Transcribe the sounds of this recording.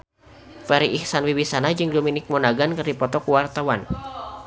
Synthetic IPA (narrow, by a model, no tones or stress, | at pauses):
fɛɾiʔihsanwiwisanad͡ʒɨŋdominɪk̚mɔnaɡankɨrdipɔt̪ɔkuwart̪awan